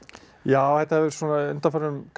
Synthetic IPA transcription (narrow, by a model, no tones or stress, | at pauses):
jaːwθɛht̪ahɛvɪɾ̥swɔːnaʏnt̪anfaɾʏmk